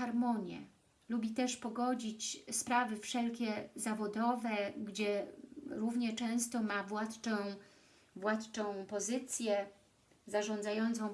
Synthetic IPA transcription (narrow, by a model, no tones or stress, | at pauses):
aɾmɔɲjɛ̰ | lubʲit̪ɛʂpɔɡɔd͡ʑit͡ɕspɾavɘfʂɛlkʲɛzavɔd̪ɔvɛɡd͡ʑɛɾuvɲɛt͡ʂɛ̃w̃st̪ɔmavwat̪ɔ̃ | vwat̪t͡ʂɔ̃w̃pɔzɘt̪sʲjɛ | zaʐɔ̃nd̪zajɔnt̪sɔ̃w̃